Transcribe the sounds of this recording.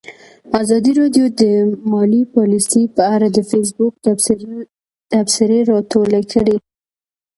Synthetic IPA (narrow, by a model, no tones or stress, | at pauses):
azɑd̪iɾɑɖjod̪əmɑlipɑlisepəaɾad̪əfes̬bʊk̪̚ | t̪afsɪɾeɾɑt̪olakʰəɽe